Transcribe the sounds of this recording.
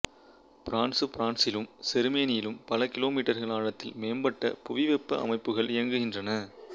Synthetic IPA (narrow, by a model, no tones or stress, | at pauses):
pɾaːnsɯpɾaːnsɪlɯmsɛɾɯmeːnɪjɪlɯmpɐlɐkɪloːmiːʈːɐɾɣɐɭaːɻɐt̪ːɪlmeːmbɐʈːɐ̰pʊʋɪʋɛpːɐʔɐ̰mɐɪpːɯɣɐɭɪjɐŋɡɯɣɪndrɐnɐ